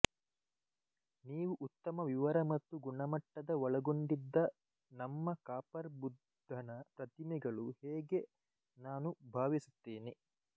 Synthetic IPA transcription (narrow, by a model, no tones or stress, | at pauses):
niːʋuʔut̪ːɐmɐʋiʋɐɾɐmɐt̪ːuɡuɳɐmɐʈːɐd̪ɐʋɔɭɐɡoɳɖid̪ːɐ | nɐmːɐkaːpɐɾbud̪ʱːɐnɐpɾɐt̪imɛɡɐɭuhɛːɡe̞ | naːnubʱaːʋisu̥t̪ːiːni